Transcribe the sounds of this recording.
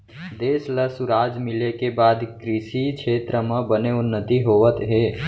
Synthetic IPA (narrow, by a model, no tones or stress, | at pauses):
d̪eːsləsʊɾaːd͡ʒmɪlekebaːd̪kɾɪʃikʃʰeːt̪ɾəmə̃bəneʊnːət̪iɦoːʋət̪ɦeː